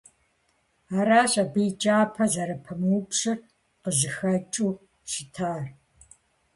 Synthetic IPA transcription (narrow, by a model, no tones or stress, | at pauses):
aːɾaːɕʼɐbɨjd͡ʒʼaːpʰɐzɐɾɐpʰɐmuːpɕɨr | qəʑɨxɐt͡ʃʼuː | ʃɪtʰaːr